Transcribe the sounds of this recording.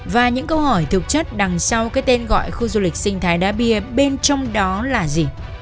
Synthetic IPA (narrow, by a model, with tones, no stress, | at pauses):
vaː˨˩ɲɨ̰˧˥ŋkə˧whɔ˧˩jt̪ʰɨ˨˩k̚t͡ɕə˦˥t̚ɗa˨˩ŋsa˧wkaː˨˦˥jt̪e˧nɣɔ̰˧˨jxu˧zu˧lï˨˩k̟̚sï˧ŋ̟t̪ʰaː˨˦jɗa̰ː˧˥ɓi˧˩əɓe˧nt͡ɕɔ˧wŋ͡mɗɔ˨˦laː˨˩zi˨˩